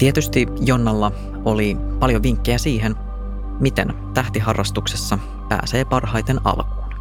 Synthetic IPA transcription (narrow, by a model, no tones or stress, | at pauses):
t̪iet̪yst̪ijonːɑlːɑ | o̞lipɑljoʋiŋkːejæsiːɦen | mit̪ḛn | t̪æht̪iɦɑrːɑst̪ukse̞sːɑ | pæ̰ːse̞ːpɑrɦɑjt̪enɑ̰lkuːn